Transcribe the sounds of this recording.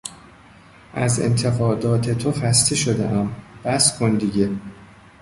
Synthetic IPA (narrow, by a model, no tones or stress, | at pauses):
ʔæze̞̰nt̪ʰe̞ɣɒːd̪ɒːt̪ʰe̞t̪ʰoxæst̪ʰe̞ʃod̪ḛʔæmb̥æskʰond̪iɟe̞